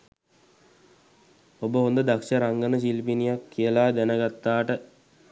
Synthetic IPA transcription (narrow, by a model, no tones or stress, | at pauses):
obəɦond̪əd̪akʂəɾaŋɡənəs̬ilpinijakʰːijəlaːd̪ænəɡat̪ːaːʈə